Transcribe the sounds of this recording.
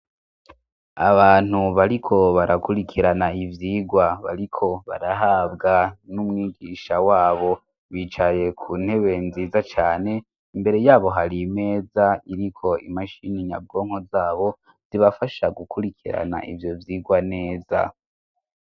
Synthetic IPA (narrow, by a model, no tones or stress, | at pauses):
a̰βaːn̥huβaɾikʰo̞βaɾakuɾikʰiɾanaivjiːɡwaβa̰ɾikʰo̞βa̰ɾaɦaːbɡanumŋiːɡiʃawaːβo̞ | βiːt͡ʃaje̞kʰuːn̥he̞βe̞nziːzat͡ʃaːne̞ | imbe̞ɾe̞jaːβo̞ɦaɾime̞ːzaiɾikʰo̞ḭmaʃiniɲa̰b̚ɡo̞ːŋ̥ho̞zaːβo̞ | z̥iβafaʃaɡukʰuɾikʰiɾa̰na̰ʔḭvjo̞vjiːɡwane̞ːza̰